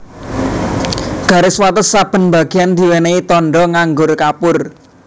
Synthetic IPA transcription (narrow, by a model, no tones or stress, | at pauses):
ɡ̥a̤ɾɪswat̪əsːab̥ə̤nba̤ɡ̥i̤and̪̥i̤weneit̪ɔnɖɔŋaŋɡʊrkapʊr